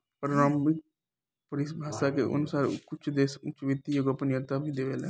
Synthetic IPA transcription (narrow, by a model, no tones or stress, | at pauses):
pəɾɾãːmɪk | pəɾisbʱaːʃakeʔə̰nʊsaːɾkʊt͡ʃʰd̪eːsʊt͡ʃʋet̪ijoɡəpənjət̪abʱid̪eːʋeːlḛː